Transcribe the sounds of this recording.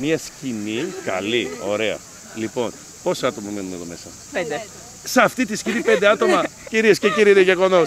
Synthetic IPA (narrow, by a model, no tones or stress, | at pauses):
miɐscinikɐ̰lio̞ɾe̞ɐ̰ | lipo̞n | po̞sɐt̪o̞mɐmenumeðome̞sɐ̰ | d̪ | seɐft̪it̪iscinipend̪eɐt̪o̞mɐciɾiesceciɾiɾieʝeɣo̞no̞s